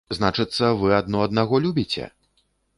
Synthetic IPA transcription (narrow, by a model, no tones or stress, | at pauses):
znat͡ʂɨt̪sːɐvɨad̪̚nɔɐd̪naɣɔlʲubʲit͡sʲɛ̰